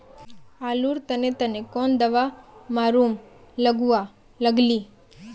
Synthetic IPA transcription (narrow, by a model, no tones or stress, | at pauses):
aːluːɾt̪ənet̪ɐnekɔːnd̪ɐʋamaːɾuːmləɡua | ləɡli